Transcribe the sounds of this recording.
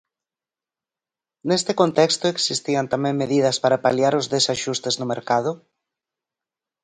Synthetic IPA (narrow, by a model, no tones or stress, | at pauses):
nest̪ɪkont̪ɛkst̪ʊeksist̪iɐnt̪amɛ̃ŋmeðiðɐspaɾapaljaɾʊzðesaʃust̪eznʊmeɾkað̞ʊ